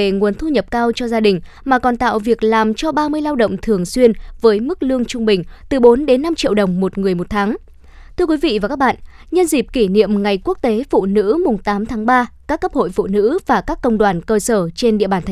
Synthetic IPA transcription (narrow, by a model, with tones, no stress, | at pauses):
e˨˩ŋu˨˦nt̪ʰu˧ɲə˨˩p̚kaː˧wt͡ɕɔ˧zaː˧ɗï˨˩ŋ̟ | maː˨˩kɔ˨˩nt̪a̰ː˧˨wvi˨˩ək̚laː˨˩mt͡ɕɔ˧ɓaː˧mɨ˧əjlaː˧wɗə̰˧˨wŋ͡mt̪ʰɨ˨˩əŋswi˧ənvəː˨˦jmɨ˦˥k̚lɨ˧əŋt͡ɕʊ˧ŋ͡mɓï˨˩ŋ̟t̪ɨ˨˩ɓo˨˦nɗe˨˦nːa˧mt͡ɕḭ˧˨əwɗə˨˩wŋ͡mmo˨˩t̚ŋɨ˨˩əjmo˨˩t̚t̪ʰaː˨˦ŋ | t̪ʰɨ˧əkwi˨˦vḭ˧˨vaː˨˩kaː˦˥k̚ɓa̰ː˧˨n | ɲə˧nzi˨˩p̚ki˧˩nḭ˧˨əmŋa˨˩jku˦˥k̚t̪e˨˦fṵ˧˨nɨ̰˧˥mʊ˨˩ŋ͡mt̪aː˨˦mt̪ʰaː˨˦ŋɓaː˧kaː˦˥kːə˦˥p̚ho̰˧˨jfṵ˧˨nɨ̰˧˥vaː˨˩kaː˦˥kːə˧wŋ͡mɗwaː˧˩nkəː˧səː˧˩t͡ɕe˧nɗḭ˧˨əɓaː˨˩nt̪ʰ